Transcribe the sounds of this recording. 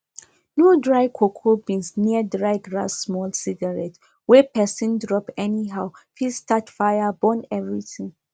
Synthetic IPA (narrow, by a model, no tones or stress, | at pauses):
nodɹaɪkʰokʰobĩnsniədɹaɪɡɹa̰sːmɔlsiɡaɹɛt | wɛpɛsĩndɹɔpɛniɦaʊfilstatfajabɔ̃nɛvɹitĩŋ